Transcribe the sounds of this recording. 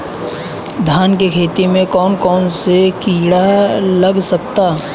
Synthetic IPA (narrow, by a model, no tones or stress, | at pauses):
d̪ʱaːnkekʰeːt̪imẽkɔːnkɔːnsekiːɽalɐɡsɐkt̪aː